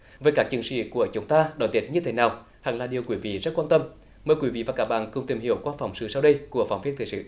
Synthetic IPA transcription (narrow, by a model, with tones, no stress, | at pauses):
veː˨˩jkaː˦˥k̚t͡ɕɨ˧˦ŋt͡ɕḭ˧˨ku˧˩ət͡ɕʊ˨˦ŋ͡mt̪aː˧ɗo˨˦jt̪i˨˦˥t̚ɲɨ˧t̪ʰe˨˦naː˨˩w | ha̰˨˧˩ŋlaː˨˩ɗi˨˩əwkwi˨˦vḭ˧˨zə˦˥t̚kwaː˧nt̪ə˧m | məː˨˩jkwi˨˦vḭ˧˨vaː˨˩kaː˦˥k̚ɓa̰ː˧˨nkʊ˧˩ŋ͡mt̪i˨˩mhḭ˧˩əwkwaː˦˥fa˨˩wŋ͡msɨ˧˩saː˧wɗə˧jku˧˩əfa˨˧˩ŋ͡mvi˦˥ət̪ʰːsɨ̰˧˨